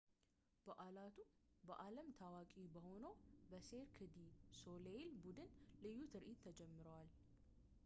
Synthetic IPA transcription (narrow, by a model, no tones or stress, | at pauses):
b̥əʔalat̪ʰubəʔaləmt̪ʰawakʼibəho̞nəwbəseɾkʰɨd̪iso̞lelbud̪ɨnlɨjːut̪ʰɨɾʔit̪ʰːəd͡ʒɛmːɨɾəwal